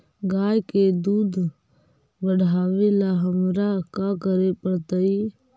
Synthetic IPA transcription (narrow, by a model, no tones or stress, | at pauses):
ɡaːjked̪uːd̪ | bəɽ̤ʱaːʋelaɦəmɾakakəɾepəɽt̪əi